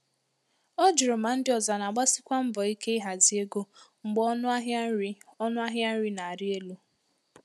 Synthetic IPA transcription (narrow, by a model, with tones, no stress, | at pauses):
o˦d͡ʒi˨ɾo˨ma˨n̩˦dɪ˦ɔ˨za˨na˨ɡ͡ba˦sɪ˦kʷa˦m̩˦bɔ˨i˦ke˦ɪ˦ɦa˨zi˦e˦ɡo˦ŋ͡m̩˨ɡ͡bɔ˦nʊ˦ɦi˦ɔ˦nʊ˦a˦ɦja˦n̩˦ɾi˦na˨ɾɪ˦e˦lu˦